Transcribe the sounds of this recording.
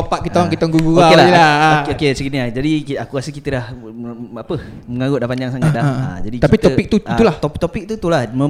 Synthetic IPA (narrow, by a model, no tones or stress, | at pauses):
opaʔ̚kit̪aaŋkit̪aŋɡuɡuoaelahelaokesəiniad͡ʒadikakukasəkit̪ədah | apə | məŋaɡʊʔ̚dahpand͡ʒaŋsaŋadaa̰d͡ʒadik̪t̪aipit̪oik̚t̪uit̪ulaht̪ot̪opik̚t̪ut̪ulahmə